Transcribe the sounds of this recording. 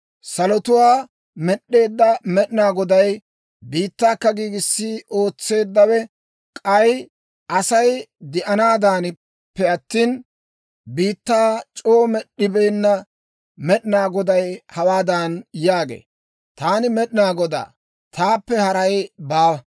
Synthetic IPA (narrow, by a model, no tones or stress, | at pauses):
sɐlɔt̪ʊwaː | mɛɗːe̞ːd̪ːɐmɛɗɪnaːɡɔd̪ɐj | biːt̪ːaːkːɐɡiːɡɪsːɪo̞ːt͡sːe̞ːd̪ːɐwɛ | kʼɐj | ʔɐsɐjd̪ɪʔɐnaːd̪aːnɪ | pːɛɐt̪ːiːn | biːt̪ːaːt͡ʃʼoːmɛɗːɪbeːnːɐ | mɛɗɪnaːɡɔd̪ɐjhɐwaːd̪aːnjaːɡḛː | t̪aːnɪmɛɗɪnaːɡɔd̪a̰ː | t̪aːpːɛhɐɾɐjbaːw